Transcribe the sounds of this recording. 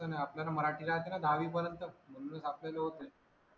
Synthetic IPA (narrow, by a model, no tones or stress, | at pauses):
ənajapljalaməɾaʈilat̪enad̪ʱaʋiːp̬əɾənt̪əm̤ənunəsapljaleɦot̪e